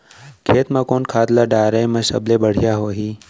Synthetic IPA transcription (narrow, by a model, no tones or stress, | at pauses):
kʰeːt̪mãkoːnkʰaːd̪laɖaːɾajmɐ̃ʃə̰blebəɽ̤jaɦoːɦiː